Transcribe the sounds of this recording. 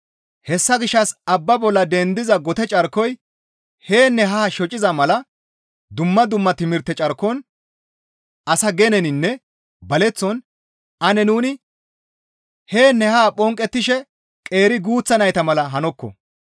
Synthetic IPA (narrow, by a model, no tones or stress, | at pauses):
hɛsːɐɡɪʃːɐsɐbːɐbɔlːɐd̪ɛnd̪ɪzɐɡɔt̪ɛt͡ʃʼɐɾkːɔj | heːnːɛɦaːʃɔt͡ʃʼɪzɐmɐlɐ | d̪ʊmːɐd̪ʊmːɐt̪ɪmɪɾt̪ːɛt͡ʃʼɐɾkːɔn | ɐsɐɡɛnɛnɪnːɛ | bɐlɛt͡sːɔn | ɐnɛnuːnɪ | heːnːɛhaːpʼɔŋkʼːɛt̪ːɪʃɛ | kʼe̞ːɾɪɡuːt͡sːɐnɐjt̪ɐmɐlɐɦɐnɔkːɔ̰